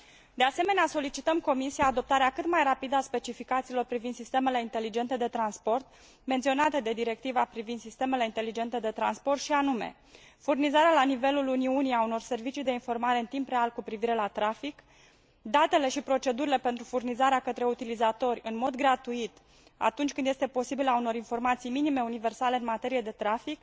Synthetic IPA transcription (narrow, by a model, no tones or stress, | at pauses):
d̪e̞ase̞me̞neaso̞lit͡ʃit̪əmko̞misijaːd̪o̞p̚t̪aɾeakɨt̪majrapid̪əaspe̞t͡ʃifikat̪siːlo̞rpɾivind̪sist̪eme̞le̞int̪e̞lid͡ʒe̞nt̪e̞d̪e̞t̪ɾanspo̞rt̪̚ | me̞nt̪sio̞nat̪e̞d̪e̞d̪iɾe̞k̚t̪ivapɾivind̪sist̪e̞me̞le̞int̪e̞lid͡ʒe̞nt̪e̞d̪e̞t̪ɾa̰nspo̞rt̪ʃianume̞̰ | furnizaɾealanive̞luluniunijauno̞rse̞rvit͡ʃijd̪e̞info̞rmaɾe̞ɨnt̪impre̞alkupɾiviɾe̞lat̪ɾafik | d̪at̪e̞le̞ʃipɾo̞t͡ʃe̞d̪uɾile̞pe̞nt̪ɾufurnizaɾeakət̪ɾe̞ut̪ilizat̪o̞rʲɨnmo̞d̪ɡɾat̪uit̪ | a̰t̪unt͡ʃkɨnd̪jest̪e̞po̞sibilauno̞ɾinfo̞rmat̪sijminime̞unive̞rsale̞ɨnmat̪e̞ɾijed̪e̞t̪ɾafik